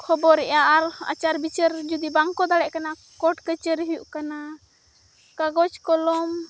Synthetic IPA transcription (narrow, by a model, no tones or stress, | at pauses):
kʰɔbɔɾɛʔjaaɾa̰t͡ʃaɾbit͡ʃəɾd͡ʒud̪ibaŋkɔd̪aɽɛʔ̚kana | kɔʈkət͡ʃəɾɦjuʔkana | kaɡɔt͡ʃkɔlɔm